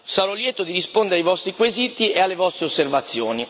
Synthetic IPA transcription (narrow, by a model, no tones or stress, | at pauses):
saɾɔljɛːt̪od̪iɾispond̪eɾeajvɔst̪ɾikwezit̪iealːevɔst̪ɾeosːervat̪sːjoːni